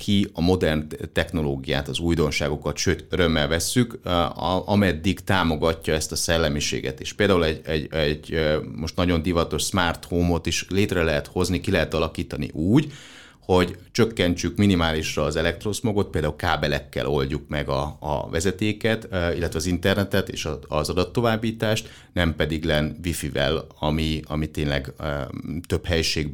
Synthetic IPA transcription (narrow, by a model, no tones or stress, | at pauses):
kʰiɒmo̞d̪ɛrnt̪ɛxno̞loːɡija̰ːt̪ɒzuːjd̪o̞nʃaːɡokɒt̪ʃøːt̪øɾø̞mːɛlvɛsːyk | ʔɒmɛd̪ːikt̪aːmo̞ɡɒcːɒɛst̪ɒsɛlːɛmiʃḛːɡɛ̰t̪ḛːʃpeːld̪aːɦulɛɟɛɟɛɟmo̞ʃt̪nɒɟo̞nd̪ivɒt̪o̞ʃsmaːrt̪homo̞t̪iʃleːt̪rɛlɛɦɛt̪ho̞znikilɛɦɛt̪ɒlɒkiːt̪ɒnḭʔuːɟ | ho̞ɟt͡ʃø̞kːɛɲt͡ʃykminimaːliʃrɒːzɛlɛk̚t̪rosmoɡo̞t̪̚peːld̪aːulkaːbɛlɛkːɛ̰lʔo̞lɟuk̚mɛɡɒ̰ːvɛzɛt̪eːkɛt̪ilːɛt̪ʋɛɒzint̪ɛrnɛt̪ɛt̪ḛːʃɒɒzɒd̪ɒt̪ːo̞vaːbːiːt̪aːʃt̪ | nɛmpɛd̪iɡlɛnvifivɛ̰lɒmiɒmit̪eːnlɛɡ | t̪ø̞phɛjʃeːɡ